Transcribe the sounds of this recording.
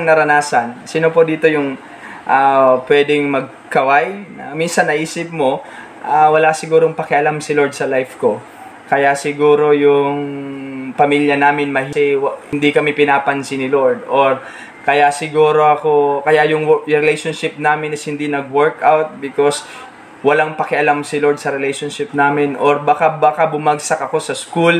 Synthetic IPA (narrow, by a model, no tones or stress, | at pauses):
ŋnɐɾɐnaːsɐnsiːnopod̪iːt̪o̞jʊŋ | ʔapwɛd̪ɪŋmɐɡ̚ | kɐwajnɐminsɐnːɐʔiːsɪp̚mo̞ | ʔawɐlasɪɡuːɾoŋpɐkɪʔɐlamsɪloɹd̪̚sɐlajfko̞ | kɐjaʔsɪɡuːɾo̞jʊŋ | pɐmiljɐnaːmɪnmɐɦiɪwhɪnd̪ikɐmipɪnaːpɐnsinɪloɹd̪̚ʔoɹ | kɐjaʔsɪɡuːɾo̞ʔɐko̞kɐjaʔjʊŋɾɛlɛjʃonʃɪp̚naːmɪnɪshɪnd̪inɐɡ̚wɛɹkawt̪̚bɪkos | wɐlaŋpɐkɪʔɐlamsɪloɹd̪̚sɐɾɛlɛjʃonʃɪp̚naːmɪnʔoɹbakabakabʊmaɡsɐkɐko̞sɐskul